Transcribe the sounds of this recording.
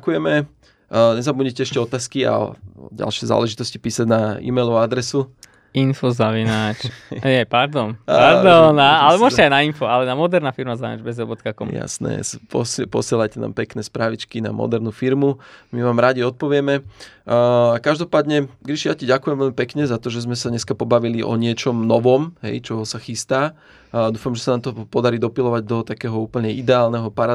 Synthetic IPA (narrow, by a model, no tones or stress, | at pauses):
kujɛmɛ | ɲɛzabuɲicɛɛʃcɛɔt̪aːskia̰ɟa̰lʃɪɛza̰ːlɛʒit̪ɔsci̥piːsaɟnaḭːmɛjlɔʋaad̪ɾɛsu | infɔzaʋinat͡ʃɛpaɾd̪ɔnaɾd̪ɔnaalɛmʊɔʒcɛajnainfɔalɛnamɔd̪ɛɾnaːfiɾmazaʋina̰d͡ʒbɛzɾɔbɔt̪kakɔmja̰snɛ̰spɔ̰spɔ̰sɪɛlajcɛna̰ːmpɛknɛːspɾaːʋit͡ʃkina̰mɔ̰d̪ɛɾnufiɾmumiʋaːmɾaɟiɔt̪̚pɔʋɪɛmɛ | kaʒd̪ɔpaːd̪ɲɛɡɾiʃijaciɟakujɛmʋɛlmipɛkɲɛzat̪ɔʒɛzmɛsaɲɛskapɔbaʋiliʔɔ̰ɲɪɛt͡ʃɔmnɔʋɔmɦɛ̰jt͡ʃɔɦɔsaxist̪aː | d̪uːfamʒɛsanaːmt̪ɔpɔd̪aɾiːd̪ɔpilɔʋaɟd̪ɔt̪akɛːɦɔuːpl̩ɲɛʔid̪ɛaːlnɛɦɔpaɾa